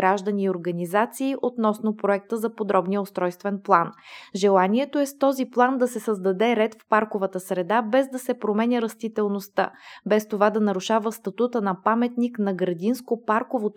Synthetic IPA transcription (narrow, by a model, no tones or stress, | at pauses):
ɾaʒd̪ɐniːoɾɡɐnizat̪siːʔot̪nɔsnopɾoɛk̚t̪əzɐpod̪ɾɔbnijəost̪ɾɔjst̪vɛnplˠanʒɛlˠaniɛt̪oɛst̪ɔziplˠand̪ɐsɛsəzd̪ɐd̪ɛɾɛt̪fpaɾkovət̪əsɾɛd̪abɛzd̪ɐsɛpɾomɛnʲəɾɐst̪it̪ɛlˠnost̪a̰bɛst̪ovad̪ɐnɐɾuʃavəst̪ɐt̪ut̪ənɐpamɛt̪niknɐɡɾɐd̪inskopaɾkovot̪